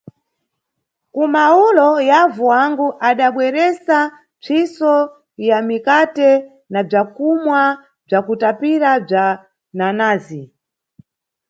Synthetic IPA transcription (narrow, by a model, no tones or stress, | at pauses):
kumaulɔjavuwaŋɡuʔaɗaɓwɛɾɛsa | b͡ʐʰisɔ | jamikatɛ | nab͡ʐakumwa | b͡ʐakutapiɾab͡ʐa | nanaːzi